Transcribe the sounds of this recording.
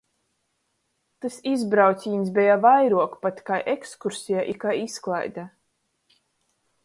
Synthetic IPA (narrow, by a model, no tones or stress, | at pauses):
t̪asizbɾawsʲiːns̬bʲɛjavajɾuɔkpat̪ʲkajʔekskuɾsʲijaʔikajisklˠa̰jd̪a